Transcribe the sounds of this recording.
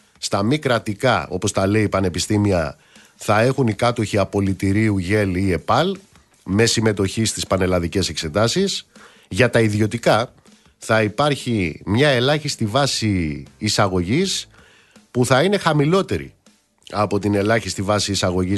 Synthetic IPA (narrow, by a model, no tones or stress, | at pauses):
st̪ɐmikɾɐt̪ikɐo̞po̞st̪ɐle̞ipɐne̞pist̪imiɐ | θɐe̞xunikɐt̪o̞çiɐpo̞lit̪iɾiuʝe̞lie̞pɐl | me̞sime̞t̪o̞çist̪ispɐne̞lɐðice̞se̞kse̞t̪ɐsis | ʝɐt̪ɐiðjo̞t̪ikɐ | θɐipɐɾçimɲɐe̞lɐçist̪ivɐsiːsɐɣo̞ʝis | puθɐine̞xɐmilo̞t̪e̞ɾḭ | ɐpo̞t̪ine̞lɐçist̪ivɐsiːsɐɣo̞ʝi